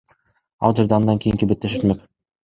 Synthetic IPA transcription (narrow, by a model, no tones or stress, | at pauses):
ɑ̰lˠd͡ʒeɾd̪eɑnd̪ɑŋkʲijiŋkibet̪ːe̞ʃøt̪møk